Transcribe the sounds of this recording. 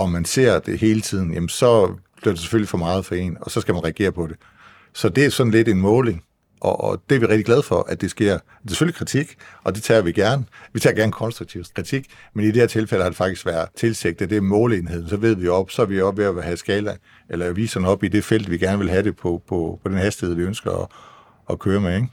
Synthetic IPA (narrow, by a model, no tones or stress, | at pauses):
ɒ̽mænse̝̰ɐ̰d̥e̝ɦe̝ːlət͡sʰið̰ˠn̩jæmənsɒ̽b̥liɐd̥e̝se̥føl̰ifɒ̽mɑ̈ːð̞̩ˠfɒ̽e̝̰nɒ̽sɒ̽sɡ̥æmænʁɛæɡ̥e̝̰ːɐpʰɒ̽ɾe̝ | sɒ̽d̥e̝æɐsɒ̽dn̩le̝d̥e̝nmɔ̽ːle̝ŋ | ʔɒd̥e̝æɐʋiʁɛɡ̥̚d̥iɡ̥læð̞ˠfɒ̽ʔæd̥e̝sɡ̥e̝ɐ̰ | de̥se̥følikʰʁit͡sʰiɡ̥ʔɒ̽d̥e̝t͡sʰɛ̰ːɐʋiɡ̥æɐnəʋit͡sʰɛ̰ːɐɡæɐnəkʰɒ̽nsd̥ʁuɡ̚t͡sʰiʊkʰʁit͡sʰiɡ̥ | menid̥eeɐt͡sʰe̝lfel̰əhɑ̈de̝fɑ̈ɡ̥d̥isɡ̥ʋæɐðt͡sʰe̝lseɡ̥̚d̥æd̥e̝mɔ̽ːle̝nhe̝ð̰ˠn̩sɒ̽ʋe̝ð̞̰ˠʋioɒ̽b̥sɒ̽æɐʋiɒb̥ʋe̝æhæsɡ̥ɛːlɐ | elɐʋḭːsɐn̩ɒ̽b̥id̥e̝fel̰d̥ʋiɡ̥æɐnəʋe̝lɦæɾe̝pʰɒ̽pʰɒpʰɒ̽d̥enhæsd̥i̥he̝ð̞̰ˠʋiønsɡ̥ɐɒː | kʰøːɐmeeŋ̥